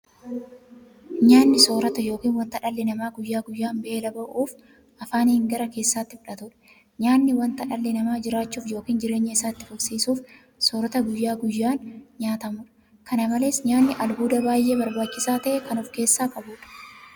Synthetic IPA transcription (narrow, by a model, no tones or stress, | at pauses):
ɲaːnːɪso̞ːɾɐt̪ɐjo̞ːkiːnwɐnt̪ɐᶑɐlːɪnɐmaːɡʊjːaːɡʊjːaːmbeːlɐbɐʔuːf | ʔɐfaːnɪŋɡɐɾɐke̞ːsːaːt̪ːɪfʊᶑɐt̪ʊᶑɐ̥ | ɲaːnːɪwɐnt̪ɐᶑɐlːɪnɐmaːd͡ʒɪɾaːt͡ʃːuːfjo̞ːkiːnd͡ʒɪɾe̞ːɲːɐɪsaːt̪ːɪ̥fʊksiːsuːf | soːɾɐt̪ɐɡʊjːaːɡʊjːaːnɲaːt̪ɐmʊᶑɐ̥ | kɐnɐmɐle̞ːsɲaːnːɪʔɐlbuːd̪ɐbaːjʔe̞ːbɐɾbaːt͡ʃːɪsaːt̪ɐʔɛkɐnʊfke̞ːsːaːkɐbuːᶑɐ̥